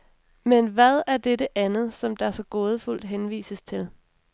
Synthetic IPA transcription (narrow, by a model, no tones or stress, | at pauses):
menʋæð̞ˠæɐd̥eɾəʔænð̞̩ˠsɒ̽md̥ɑ̈sɒ̽ɡ̥o̝ːð̞ˠəful̰d̥ɦenʋḭːsəst͡sʰe̝l